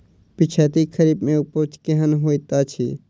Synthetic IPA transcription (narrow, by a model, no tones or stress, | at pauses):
pɪt͡ʃʰɛːt̪ikʰəɾiːbmẽupot͡ʃkeɦənɦoːjt̪at͡ʃʰi